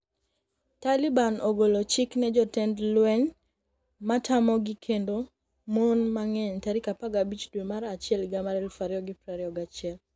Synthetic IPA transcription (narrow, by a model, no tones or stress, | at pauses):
talibanoɡolot͡ʃɪknɛd͡ʒɔtɛndlwɛɲ | matʰamɔɡɪkʰendo | monmaŋɛɲtaɾikapaɡabit͡ʃdwemaɾat͡ʃɪɛlɡamaɾɛlfaɾjɔɡɪpɾaɾɪɔɡat͡ʃɪɛl